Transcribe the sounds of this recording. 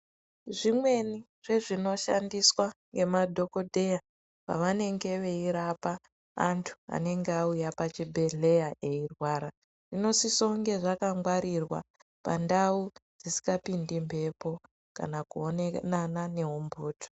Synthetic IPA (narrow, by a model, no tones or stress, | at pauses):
ʐimwe̞ni | ʐ̥e̞ʐino̞ʃa̰ndiswaŋɡe̞madʱo̞ko̞dʱe̞ja | pa̰ʋane̞ŋɡe̞ʋe̞iɾapa̰ː | ntʰu̥a̰ne̞ŋɡeaujapat͡ʃibʱe̞ɮe̞jae̞irwaːɾa | ʐ̥ino̞siso̞ŋɡe̞ʐakaŋɡwaɾirwa̰ | pa̰ndaud͡zisi̥kapindimpe̞po̞ | ka̰nakuonenanane̞ɦumbʱuːtʰo̥